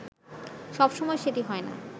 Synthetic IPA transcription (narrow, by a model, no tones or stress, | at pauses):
ʃɔbʃɔmɔeʃeʈiɦɔena̰